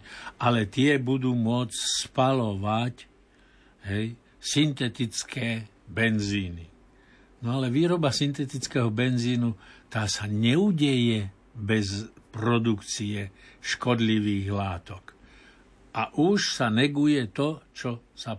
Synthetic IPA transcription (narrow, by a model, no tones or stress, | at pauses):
ʔalɛt̪ɪɛbud̪uːmʊɔt͡sspalɔʋac | ɦɛj | sint̪ɛt̪it͡skʰɛː | bɛnziːni | nɔalɛʋiːɾɔbasint̪ɛt̪it͡skɛɦɔbɛnziːnut̪aːsaɲɛuɟɛjɛ | bɛzpɾɔd̪ukt͡siɛʃkɔd̪liʋiːɣlaːt̪ɔk | aʔuʃsanɛɡujɛt̪ɔt͡ʃɔsa